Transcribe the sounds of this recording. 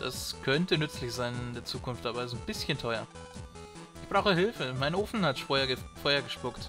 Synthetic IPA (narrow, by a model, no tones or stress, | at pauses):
d̥a̰skʰœntənʏt͡slɪçz̥aɪnɪndeːɐt͡suːkʰʊnftaːbazonbɪsçəntʰɔʏɐ̰ | ʔɪçb̥ʁaʊxəɦɪlfəmaɪnʔoːfn̩hatʃɐfɔhɐɡəʃpʊkt